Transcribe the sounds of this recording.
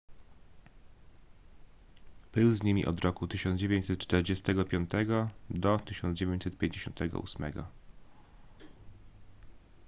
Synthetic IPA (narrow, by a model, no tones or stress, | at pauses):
b̥ɘwzɲimʲḭʔɔ̰d̪ɾɔkut̪ɘɕɔnd͡ʑevʲjẽɲt͡ɕsɛt̪̚t͡ʂt̪ɛɾd͡ʑɛst̪ɛɡɔpʲjɔnt̪ɛɡɔd̪ɔt̪ɘɕɔnd̪d͡ʑevʲeɲt͡ɕʲsɛt̪̚pʲeɲd͡ʑeɕɔnt̪ɛɡɔ̰ʔṵsmɛ̰ɡɔ̰